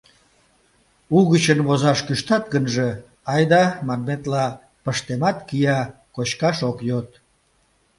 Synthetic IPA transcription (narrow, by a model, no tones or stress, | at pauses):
uɣət͡ɕənβozɑʃkyʃt̪ɑt̪̚ɡənʒe | ɑjd̪ɑmɑnmet̪lɑ | pəʃt̪emɑt̪kijɑ | kot͡ɕkɑʃokjot̪